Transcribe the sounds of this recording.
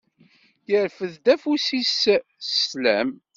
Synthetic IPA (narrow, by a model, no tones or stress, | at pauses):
jəɾfəðd̪æfusissslæ̰m